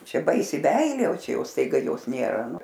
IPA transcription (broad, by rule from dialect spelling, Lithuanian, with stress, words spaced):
ˈt͡ʃʲɛ ˈbɐɪsʲɪ ˈmʲɛɪlʲeː oː ˈt͡ʃʲɛ ˈjɛʊ stɐɪˈɡɐ ˈjoːs ˈnʲeːrɐ ˈnʊ